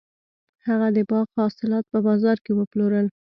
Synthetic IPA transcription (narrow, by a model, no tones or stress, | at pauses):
haɣad̪əbɑɣhɑsɪlɑt̪̚pəbɑzɑɾkewəploɾəl